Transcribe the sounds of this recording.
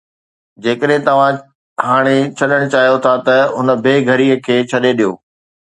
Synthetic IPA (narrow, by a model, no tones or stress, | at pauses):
d͡ʑeːkəɗɦɪ̃t̪ɐʋ̤ã | ɦaːɽ̃et͡ɕʰɐɗəɽ̃t͡ɕaːɦijot̪ʰat̪ɐʊnə̆beːɡʱɐɾiːə̆kʰeːt͡ɕʰɐɗeɗijo̰ː